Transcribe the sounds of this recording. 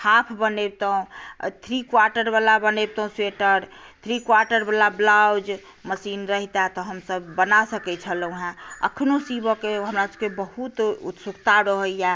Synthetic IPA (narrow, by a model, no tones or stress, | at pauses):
hapʰbəneb̚t̪əɦũt̪ʰɾikwaɾʈəɾbalabəneb̚t̪əɦũseʈəɾt̪ʰɾikwaɾʈəɾbalablawd͡ʒ | məsinɾəɦit̪at̪ɔɦəmsəbːənasəkɛt͡ʃʰəlũɦãə̰kʰnosibəkeɦəmɾasə̥bkebəɦut̪ut̪sukt̪aɾəɦəja